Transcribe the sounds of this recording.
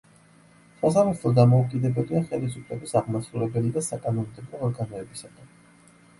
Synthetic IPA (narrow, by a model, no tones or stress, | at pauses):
sas̬amat̪ʰlɔd̪amɔukʼid̪ɛbɛliaχɛlisupʰʼlɛbisaʁmasulɛbɛlid̪asakʼanɔmd̪ɛbɔːɾɡanɔɛbisat̪ʰɛ